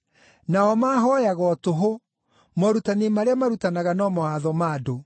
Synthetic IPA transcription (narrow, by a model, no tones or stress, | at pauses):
naɔmaːɦɔjaɣɔtoɦo | mɔɾutanemaɾeamaɾutanaɣanɔmɔhaðɔmaːdo